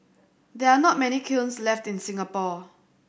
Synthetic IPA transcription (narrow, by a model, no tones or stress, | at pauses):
d̪ɛanɔt̚mɛnikʰilnslɛftɪ̃nsɪ̃ŋapɔ